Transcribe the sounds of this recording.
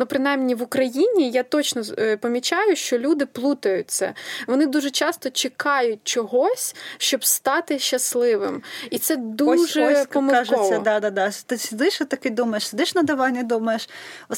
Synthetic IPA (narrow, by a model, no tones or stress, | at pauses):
nupɾɪnɑjmnʲiʋʊkɾɐjinʲijat̪ɔt͡ʃnɔpɔmʲit͡ʃɑjʊʃt͡ʃɔlʲud̪ɪplˠut̪ɐjʊt͡sʲːɐ̰ʋɔnɪd̪uʒɛt͡ʃɑst̪ɔt͡ʃɪkɑjʊt̚ʲt͡ʃɔɦɔsʲʃt͡ʃɔbst̪ɑt̪ɪʃt͡ʃːɐslˠɪʋɪmit̪sɛd̪uʒɛpɔmɪaʒʊːɐd̪ɑd̪ad̪ɑt̪ɪsʲɪd̪ɪʃɔt̪ɐkɪd̪umɐjeʃsʲɪd̪ɪʃnɐd̪ɐʋɑnʲːɐd̪umɐjeʃɔ